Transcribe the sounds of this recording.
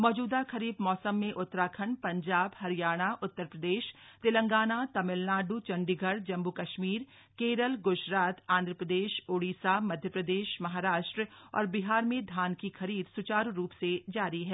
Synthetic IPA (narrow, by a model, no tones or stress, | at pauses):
mɔːd͡ʒuːd̪akʰɐɾiːbmɔːsəmːẽʔʊt̪ːɾaːkʰəɳpɐ̃ɲd͡ʒaːbhɐɾijaːɽ̃aʔʊt̪ːəɾpɾəd̪eːʃt̪ɪlə̃ŋɡaːnat̪ɐmɪlnaːɖut͡ʃɐ̃ɳɖiɡʱəɾd͡ʒɐ̃mbukɐʃmiːɾ | keːɾəlɡʊʃɾaːt̪ãːnd̪ʱɾəpɾəd̪eːʃoːɽiːsamɐd̪ʱjəpɾəd̪eːʃmɐɦaːɾaːʃʈɾəɔ̰ːɾbɪɦaːɾmẽd̪ʱaːnkixɐɾiːd̪sʊt͡ʃaːɾɾuːpsed͡ʒaːɾiɦɛː